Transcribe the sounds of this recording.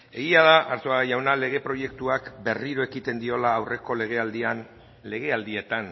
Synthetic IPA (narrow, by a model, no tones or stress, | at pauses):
e̞ɣiaðaʔaɾt̪oaajawnale̞ɣ̞e̞pɾo̞je̞kt̪uakbe̞riɾoe̞kit̪e̞nd̪io̞laːwre̞ko̞le̞ɣ̞e̞ald̪ian | le̞ɣ̞e̞ald̪ie̞t̪an